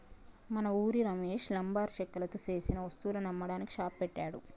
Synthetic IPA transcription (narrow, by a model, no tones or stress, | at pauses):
mɐnɐuːɾiɾɐme̞ːʂlɐmbaːɾʃɐkːɐlɐt̪useːsinɐʋɐst̪uwulunɐmːɐɽaːniki̥ʂaːppɛʈːaːɽu